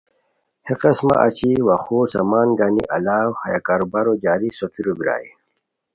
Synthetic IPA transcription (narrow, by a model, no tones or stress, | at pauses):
heqɐsma̰ʔa̰t͡ɕiwaxoːsɐmaːnɡanḭʔɐlaːwhɐjakaːɾobaɾod͡ʑaːɾisot̪iɾobiɾa̰ːi